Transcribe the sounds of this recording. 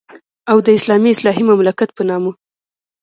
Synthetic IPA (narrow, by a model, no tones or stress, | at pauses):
awd̪əɪslɑmiɪslɑɦimamlakat̪̚pənɑmu